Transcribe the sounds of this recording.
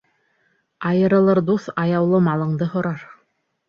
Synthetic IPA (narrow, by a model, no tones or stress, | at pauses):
ɑjɤ̆ɾɤ̆lˠɤɾd̪uθɑjɑwlˠɤmɑlˠɤ̆ɴd̪ɤhŏɾɑɾ